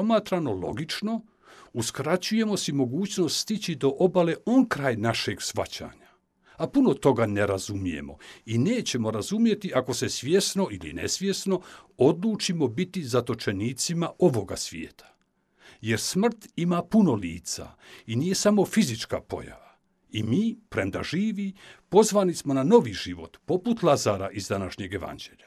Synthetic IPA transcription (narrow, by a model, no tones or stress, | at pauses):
omaːt̪ɾano̞lo̞̰ɡit͡ʃno̞ | uskɾat͡ɕuje̞mo̞simo̞ɡuːt͡ɕno̞st̪st̪it͡ɕid̪o̞ʔobale̞ʔo̞nkɾaːjnaʃe̞ɡsʋa̰t͡ɕa̰ːɲa | apuno̞t̪o̞ɡaneɾazumije̞̰mo̞̰ine̞ːt͡ɕe̞mo̞ɾazumje̞t̪iʔako̞se̞sʋʲje̞sno̞ilḭnḛsʋje̞sno̞o̞d̪luːt͡ʃimo̞bit̪izat̪o̞t͡ʃe̞niːt̪simaʔo̞ʋo̞ɡa̰sʋjḛːt̪ʰḁ | je̞ɾsmr̩t̪imaːpuno̞liːt̪sa̰inije̞samo̞fizit͡ʃka̰po̞̰ja̰ʋa | imiːpɾe̞md̪a̰ʒiːʋipo̞zʋaːnismo̞nano̞ʋiʒiʋo̞t̪po̞put̪lˠazaːɾaʔizd̪anaʃɲe̞ɡe̞ʋa̰nd͡ʑeːʎa